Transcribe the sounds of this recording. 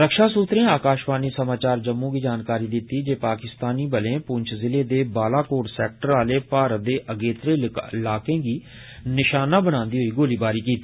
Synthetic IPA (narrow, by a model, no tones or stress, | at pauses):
ɾəkʃaːsuːt̪ɾẽːaːkaːʃbaːniːsəmaːt͡ʃaːɾd͡ʒəmːũːɡiːd͡ʒaːnkaːɾiːd̪ɪt̪iːd͡ʒeːpaːkɪst̪aːniːbəlẽːpʊɲt͡ʃʰzɪleːd̪eːbaːlaːkoːɖsɛːk̚ʈəɾaːleːpaːɾəd̪eːʔəɡeːt̪ɾeːlaːkẽːɡiː | nɪʃaːnaːbəɽ̃ãːnd̪iːɦoiːɡoːliːbaːɾiːkiːt̪iː